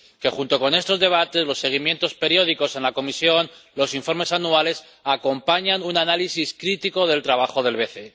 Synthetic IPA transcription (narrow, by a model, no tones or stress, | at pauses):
ke̞xunt̪o̞ko̞ne̞st̪o̞zðe̞β̞at̪e̞zlo̞sːe̞ɣ̞imje̞nt̪o̞spe̞ɾjo̞ð̞iko̞se̞nlako̞misjo̞nlo̞siɱfo̞ɾme̞sanuale̞s | ako̞mpaɲanunanalisiskɾit̪iko̞ðe̞lt̪ɾaβ̞aχo̞ðe̞lβe̞θe̞